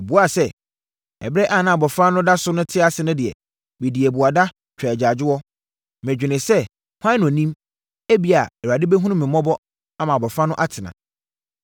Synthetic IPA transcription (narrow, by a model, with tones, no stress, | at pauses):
bu˨˦a˦sɛ˦ | ɛ̰˨bɾɛ˦ʔa˦˨nã˨˦˨bɔ˨fa˦nʊ̃˦da˦sʊ˦nʊ̃˦tʰɪ˦a˦sɪ˨nʊ̃˦dɪ˨ɛ̰˨ | be˨di˨ɛ˨bu˨a˨da˦ | t͡ɕᶣɾa˨d͡ʑa˨d͡ʑɪ˦wɔ˦ | mɛ̃˨d͡ʑᶣɪ˨nɪ̃˨sɛ˦ | hʷã˦n˨ɔ̃˨nĩ˦m | e˦bi˨a˨ɛ˨wa˨dɪ˦bɛ˦ɦũ˦ʊ̃˦mɪ̃˨mɔ̃˦bɔ˦ | a˦mã˨bɔ˨fa˦nʊ̃˦ʔa˦tʰɪ˨nã̰˨